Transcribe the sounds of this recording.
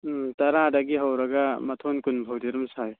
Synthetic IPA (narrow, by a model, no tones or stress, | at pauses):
tɐɾadaɡiɦawɾɐɡamɐtʰonkunbʱawdiɾumsaj